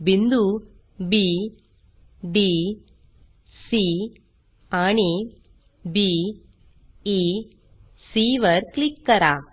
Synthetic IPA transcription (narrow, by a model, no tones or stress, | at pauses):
bɪnd̪u | bi | ɖi | si | aɳi | bi | i | siːʋɐɾklɪkːɐɾaː